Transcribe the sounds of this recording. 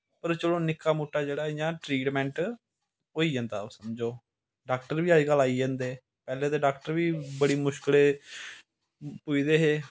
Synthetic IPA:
pəɾt͡ʃəɽõːnɪkːaːmuːʈːaːd͡ʒeːɽaːɪjãːʈɾiːʈmɛ̃ːɳʈ | oːiːd͡ʒãːnd̪a̰ːosəmd͡ʒoː | ɖaːkʈəɾʋiːaːiːɡəlːaːiːd͡ʒẽːnd̪eː | pɛːleːd̪eːɖaːkʈəɾʋiːbəɽiːmʊʃkəleː | puid̪eːɦeː

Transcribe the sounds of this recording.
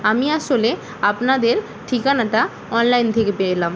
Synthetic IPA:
ɐmiɐsole | ɐpnad̪eɾ | ʈʰikanɐt̪a | ɔːnlɐjnt̪ʰekepelaːm

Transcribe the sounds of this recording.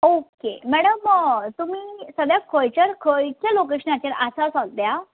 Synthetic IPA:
okemɛɽəmt̪umiːsəɡjakʰojt͡ɕəɾkʰojkalok̬eɕənat͡ɕaɾasasãɡ̚d̪ja

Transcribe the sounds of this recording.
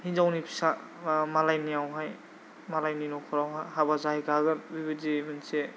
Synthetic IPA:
hind͡ʒawnipʰi̥sa | malajnijawɦaj | malajninɔkʰɔɾawɦajɦabazaɦijɡaɡɯnbibidimɯnse

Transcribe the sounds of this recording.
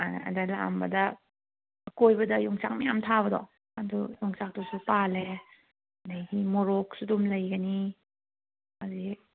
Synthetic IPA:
aɐ̰dɐla̰mbɐdɐ | ɐkojbɐdɐjuŋsak̚mɐjamtʰaβɐdɔ̰ | ɐdujuŋsak̚tusupale | najɡimoɾok̚sudumlɐjɡɐni | azi

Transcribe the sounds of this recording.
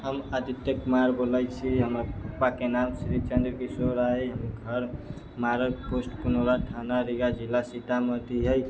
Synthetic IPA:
ɦəmat̪it̪jəkmaɾbolajt͡ʃʰiɦəmɾapupːakenamsɾit͡ʃənd̪ɾkisoɾaeɦəmɡʱəɾ | maɾəposʈkunoɾat̪ʰanaɾiɡad͡ʒilːasiʈ̪amət̪iɦɛj

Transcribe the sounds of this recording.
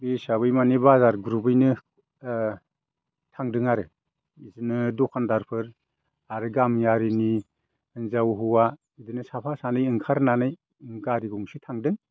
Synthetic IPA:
besaβɯjmanebazaɾɡuɾubɯjnɯ | tʰaŋdɯŋaɾɯ | izɯnɯdɔkʰandaɾpʰɯɾ | aɾɯɡamjaɾini | ɯŋzawɦuwa | idɯnɯsapʰasanɯjɯŋkʰaɾnanaj | ŋɡaɾiɡuŋsitʰaŋdɯŋ

